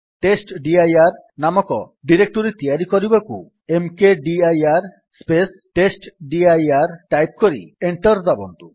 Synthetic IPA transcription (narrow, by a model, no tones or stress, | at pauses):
ʈesʈɖiajaɾ | namɔkɔ | ɖiɾek̚ʈoɾit̪iaɾikoɾibakṵ | emkeɖiajaɾ | spesʈesʈɖiajaɾʈajp̚koɾḭeɳʈɔɾd̪abo̰nt̪u